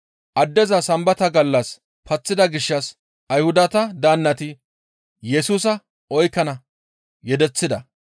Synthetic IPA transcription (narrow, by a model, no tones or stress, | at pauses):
ʔɐd̪ːɛzɐsɐmbɐt̪ɐɡɐlːɐs | pɐt͡sːɪd̪ɐɡɪʃːɐs | ɐjhʊd̪ɐt̪ɐd̪aːnːɐt̪ɪ | jɛsuːs̬ɐ | ɔjkːɐnɐ | jɛd̪ɛt͡sːɪd̪ɐ